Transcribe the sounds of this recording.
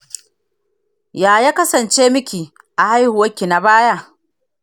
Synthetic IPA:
jaː˨jaː˦kɐ˦sɐ˨nt͡ʃeː˦mɪ˦kʲiː˨ | ʔa˨ha˦jhʊ˨wɐ˦kʲːi˨na˨baː˦ja˦ʔ

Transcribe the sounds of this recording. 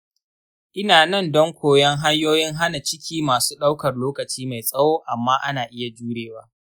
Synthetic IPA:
ʔɪ˦naː˨nɐ˦˨ndɔ˦ŋkʷoː˨jɐ˦ŋɦa˦ɲjoː˦jɪ˦ŋɦa˦na˨t͡ʃɪ˦kʲʰiː˦maː˨su̥ː˦ɗa˦wkɐ˨rloː˦kɐ˨t͡ʃiː˦ma˨jsʼɐ˦woː˦ʔa˨mːaː˦ʔa˦naː˨ʔɪ˦ja˨d͡ʒuː˦ɽeː˨waː˦

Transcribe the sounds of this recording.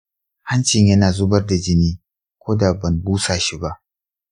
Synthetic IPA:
ha˦nt͡ʃɪ˨ɲjɐ˦naː˨zʊ˦bɐ˦rda˨d͡ʒɪ˦niː˦ | kʷoː˦da˨bɐ˨mbuː˦sa˨ʃi˦ba˦ʔ

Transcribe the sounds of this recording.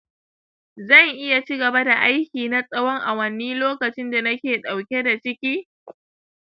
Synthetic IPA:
zɐ˦˨ŋʔɪ˦ja˨t͡ʃi˦ɡɐ˨ba˦da˨ʔa˦jkʲiː˨na˦sʼɐ˦wɔ˦ŋʔa˨wɐ˦nːiː˦loː˦kɐ˨t͡ʃɪ˦nda˨nɐ˦kʲeː˨ɗa˨wkʲe˦da˨t͡ʃɪ˦kʲiː˦

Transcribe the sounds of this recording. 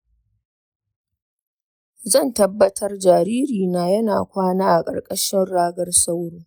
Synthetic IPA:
zɐ˦˨ntɐ˦bːɐ˦tʰɐ˦rd͡ʒaː˨ɾiː˦ɾiː˨na˦jɐ˦na̰ː˨kʷaː˦naː˦ʔa˨kʼɐ̰˨ɽkʼɐ˦ʃɪ˦nɽaː˦ɡɐ˦rsa˦wɽiː˦

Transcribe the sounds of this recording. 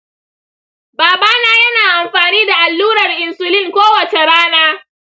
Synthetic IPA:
baː˨baː˦naː˦jɐ˦naː˨ʔa˨mɸaː˨niː˦da˨ʔa˨lːuː˦ɾɐ˨rʔɪ˨nsʊ˨lɪ˦ŋkʷoː˦wɐ˨t͡ʃe˨ɾaː˦naː˦

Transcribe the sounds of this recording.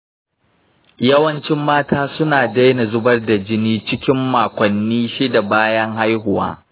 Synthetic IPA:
jɐ˦wɐ˦nt͡ʃɪ˦mːaː˦tʰaː˦sʊ˦naː˨da˦jna˨zʊ˦bɐ˦rda˨d͡ʒɪ˦niː˦t͡ʃɪ˦kʲɪ˦mːaː˨kʷɐ˨nːiː˦ʃi˦da˨baː˦jɐ˦ŋha˦jɦʊ˨wa̰ː˦

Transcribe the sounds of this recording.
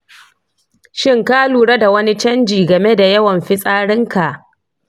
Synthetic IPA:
ʃɪ˦ŋkaː˦luː˨ɽɐ˦da˨wɐ˦ni˦t͡ʃɐ˦nd͡ʒiː˨ɡɐ˨me˦da˨jɐ˦wɐ˨mɸɪ˦sʼaː˦ɽɪ˦ŋkʰa˨ʔ

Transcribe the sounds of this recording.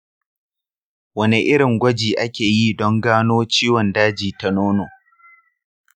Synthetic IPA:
wɐ˦ni˨ʔɪ˦ɽɪ˨ŋɡʷɐ˦d͡ʒiː˨ʔa˦kʲeː˨ji˦dɔ˦ŋɡaː˦noː˦t͡ʃiː˦wɔ˨ndaː˦d͡ʒiː˨ta˦noː˦noː˨

